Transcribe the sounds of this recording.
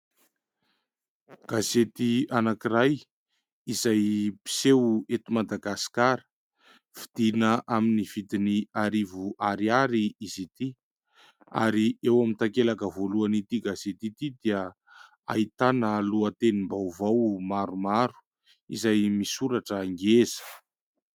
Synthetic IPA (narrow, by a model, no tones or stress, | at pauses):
ɡ̥azet̪ianakiraj | izajpi̥sewet̪umad̪aɡasi̥kaɾə̥ | fid̪̥inəʔaminiv̥id̪iniaɾivuʔaɾiaɾiizit̪i | a̰ɾiewamint̪akelakəvoluanit̪iɡazet̪it̪id̪iə | a̰it̪anəluat̪enimbawvawmaɾumaɾu̥ | ḭzajmisuɾaʈ͡ʂəŋɡezə̥